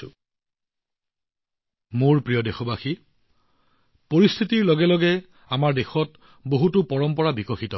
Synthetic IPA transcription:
muɹpɹijɔdexɔbaxi | poɹist̪ʰitiɹlɔɡɛlɔɡɛ | amaɹdexɔt | boɦutʊpɔɹɔmpɔɹabikɔxitɔ

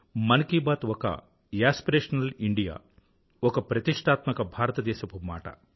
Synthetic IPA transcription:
mɐnkiːbaːt̪ʋokɐ̰ | jaːspiɾeːʂɐnɐliɳɖija̰ː | okɐpɾɐt̪iʂʈ̪aːt̪mɐkɐbʱaːɾɐt̪ɐd̪eːʃɐpuma̰ːʈɐ̰

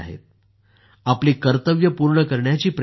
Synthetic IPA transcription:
a̰ɦḛt̪̚ | apliːkəɾt̪əʋjəpuɾɳəkəɾɳjat͡ɕiːpɾ

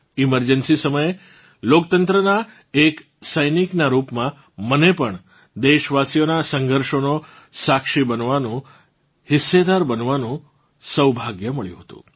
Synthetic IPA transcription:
iməɾd͡ʒənsisəməje | lok̚t̪ənt̪ɾəna | ek | səjniknaɾupmã | mənepəɳ | d̪eʃʋasijonasəŋɡʱəɾʃono | sakʃibənʋanũ | hɪsːed̪aɾbənʋanũ | səwbʱaɡjəməɭjṵ̃ɦət̪ṵ̃

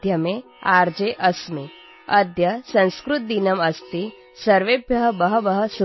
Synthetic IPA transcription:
jɐme | aːɾd͡ʒeːʔɐsmi | ɐd̪ʱjɐsɐ̃nskɾut̪̚d̪inɐmɐst̪i | sɐɾʋebʱjɐɦɐbɐɦɐbɐɦɐ̆su

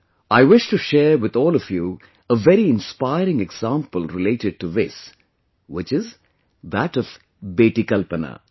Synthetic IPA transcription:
aɪʋɪʃʈuʃɛːɾʋɪd̪ɔːlɔfjuː | əʋɛɾiɪ̃nspaɪɾɪ̃ŋɛɡz̥ãːmpəlɾɪleːʈɪɖ̚ʈuʋɪs | ʋɪt͡ʃɪz | d̪æʈɔv̥ | beːʈikʌlpəna̰

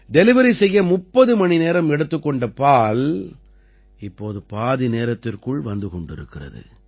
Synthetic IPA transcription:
ɖɛlɪʋɐɾisɛjːɐmʊpːɐðɯmɐɳineːɾɐmɛɽɯt̪ːɯkːɔɳɖɐpaːl | ɪpːoːðɯpaːðineːɾɐt̪ːɪrkɯɭʋɐnd̪ɯkɔɳɖɪ̰ɾɯkːɪrɐ̰ðɯ̰

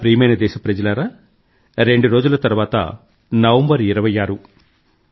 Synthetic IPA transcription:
pɾiːmɐjnɐd̪ɛːʃɐpɾɐd͡ʒɐlaːɾa | ɾe̞ɳɖuɾo̞ːd͡ʒulɐt̪ɐɾuʋaːt̪ɐ̰ | nɐʋɐmbɐɾiɾɐʋɐjːaːɾu

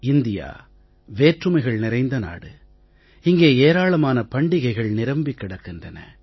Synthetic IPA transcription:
ɪnd̪ɪja̰ː | ʋeːʈrɯmɐɪɣɐɭnɪɾɐɪnd̪ɐna̰ːɽɯ | ɪŋɡeːeːɾaːɭɐmaːnɐpɐɳɖɪɣɐɪɣɐɭnɪɾɐmbɪkːɪɽɐkːɪndrɐnɐ̰

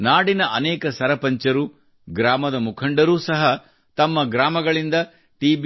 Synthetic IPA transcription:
naːɽinɐʔɐnɛːkɐsɐɾɐpɐɲt͡ʃɐɾu | ɡɾaːmɐd̪ɐmukʰɐɳɖɐɾuːsɐɦɐ | t̪ɐmːɐɡɾaːmɐɡɐɭind̪ɐ | ʈiːb

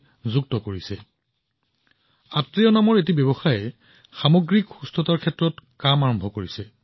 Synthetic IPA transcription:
zuk̚tɔkoɹisɛ | atɹijɔnamɔɹet̬ibɛbɔxajɛ | xamɔɡɹikxustɔtaɹkʰɛtɹɔtkamaɹɔmbʱɔkoɹisɛ

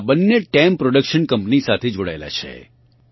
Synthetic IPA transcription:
bənːeʈɛmpɾoɽəkʃənkəmpnisat̪ʰed͡ʒoɽa̰ela̰t͡ʃʰḛ

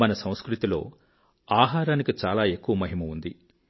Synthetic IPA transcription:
mɐnɐsɐ̃w̃skɾut̪ilo̞̰ː | aːɦaːɾaːnikit͡ʃaːlaːe̞kːuʋɐmɐɦimɐund̪i

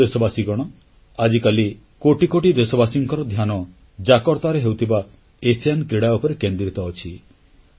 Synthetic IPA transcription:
esɔbasiɡɔɽ̃ɔ | ad͡ʒikali | koʈikoʈid̪esɔbasiŋkɔɾɔd̪ʱjanɔ | d͡ʒakɔɾt̪aɾeɦewt̪ʰiba | esiankɾiɽaupɔɾekend̪ɾit̪ɔːt͡ʃʰi

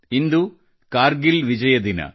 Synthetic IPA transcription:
ind̪u | kaːɾɡilʋid͡ʑɐjɐd̪inɐ̰

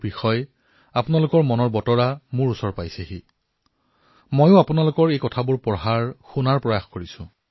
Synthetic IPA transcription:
bixɔj | apʊnalʊkɔɹmɔnɔɹbɔtɔɹamʊɹusɔɹpajsɛxi | mojʊ̃apʊnalʊkɔɹejkɔtʰabuɹpɔɦaɹxunaɹpɹɔjaxkoɹisʊ̰̃

